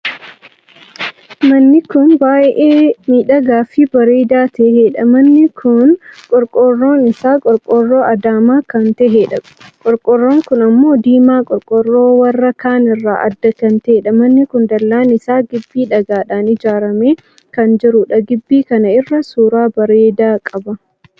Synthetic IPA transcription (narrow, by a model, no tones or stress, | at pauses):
mɐnːɪkʊnbaːʔʔeːmiːᶑɐɡaːfɪbɐɾeːd̪aːt̪ɛheːᶑɐmɐnːɪkʰʊnkʼɔɾkʼɔrːo̞ːnɪsaːkʼɔɾkʼɔrːoːɐd̪aːmaːkɐnt̪ɛɦeːᶑɐ | kʼɔɾkʼɔrːoːŋkʊnɐmːo̞ːd̪iːmaːkʼɔɾkʼɔrːo̞ːwɐrːɐkaːnɪrːa̰ːʔɐ̰d̪ːɐkɐnt̪ɛeːᶑɐmɐnːɪkʊnd̪ɐlːaːnɪsaːɡɪbːiːᶑɐɡaːᶑaːnɪd͡ʒaːɾɐmeː | kɐnd͡ʒɪɾʊᶑɐɡɪbːiːkɐnɐɪrːɐsuːɾaːbɐɾeːd̪aːkʼɐbɐ